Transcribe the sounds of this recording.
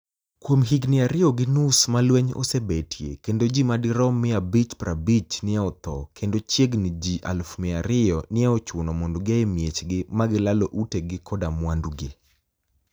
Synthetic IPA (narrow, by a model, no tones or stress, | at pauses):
kwomɦiɡnɪaɾɪɔɡɪnusmalwɛɲɔ̰sebetʰjḛkendod͡ʒimadɪɾɔmɪabit͡ʃpɾabit͡ʃnɪaɔt̪ɔkʰendot͡ʃjeɡnɪd͡ʒiʔa̰lfmɪaɾɪɔnɪɛɔt͡ʃwonɔmɔndoɡɪaemjet͡ʃɡɪmaɡɪlalɔʔuteɡɪkʰɔdamwanduɡɪ